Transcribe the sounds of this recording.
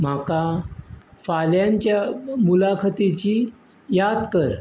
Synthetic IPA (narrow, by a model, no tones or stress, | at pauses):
m̤aka | faljaɲt͡ɕjamulakʰət̪it͡ɕi | jad̪kəɾ